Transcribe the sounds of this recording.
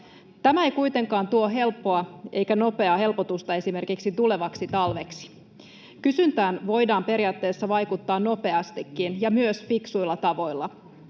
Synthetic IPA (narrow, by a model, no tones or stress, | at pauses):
t̪æmæejkujt̪eŋkɑːnt̪uoɦe̞lpːo̞ɑʔe̞jkæno̞pe̞ɑɦe̞lpot̪ust̪ɑe̞sime̞rkiksit̪ule̞ʋɑksit̪ɑlʋe̞ksi̥ | kysynt̪æːnʋo̞jdɑːmpe̞ɾiɑːt̪ːe̞ːsːɑʋɑjkut̪ːɑːnno̞pe̞ɑst̪ikːinjɑmyøsfiksujlːɑt̪ɑʋo̞jlːɑ